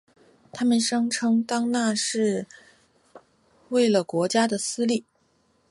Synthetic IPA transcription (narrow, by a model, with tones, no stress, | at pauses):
t̪ʰa˥mə˨nʂɤ˥ŋʈ͡ʂʰɤ˥ŋt̪ɑ˥ŋna˥˧ʂɻ̩˥˧ | we˥˩ɪlə˩kwɔ˧˥t͡ɕja˥d̪ə˨sɹ̩˥li˥˩